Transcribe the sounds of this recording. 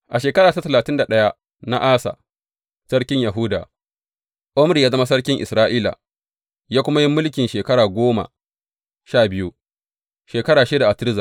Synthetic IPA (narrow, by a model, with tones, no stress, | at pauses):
ʔa˨ʃeː˨kɐ˦ɾaː˨ta˦tɐ˨laː˨tɪ˦nda˨ɗɐ˦ja˦ | na̰˦ʔaː˦sa̰˨ | sɐ˦ɽkʲɪ˦ɲja˨ɦʊ˦da̰ː˨ | ʔʊ˦mɾi˨jaː˦zɐ˦ma˦sɐ˦rkʲɪ˦ŋʔɪ˨sɾaː˦ʔiː˦la̰˨ | jaː˦kʷʊ˦ma˦ji˦mːʊ˦lk̬ʲɪ˨nʃeː˨kɐ˦ɽaː˨ɡʷoː˦ma̰˨ | ʃaː˦˨bɪ˦ju˦ | ʃeː˨kɐ˦ɽaː˨ʃeː˦da˨ʔa˨tɪ˦ɾɪ˦za˨